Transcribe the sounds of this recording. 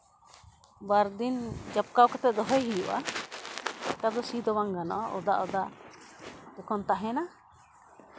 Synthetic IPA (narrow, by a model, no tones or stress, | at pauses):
baɾd̪ind͡ʒap̚kawkat̪ɛt̪̚d̪ɔɦɔjɦijṵʔa̰ | k̪ad̪ɔsid̪ɔwaŋɡanɔ̰ʔɔʔɔ̰d̪aʔɔd̪aʔ | ɛkɔnt̪aɦɛna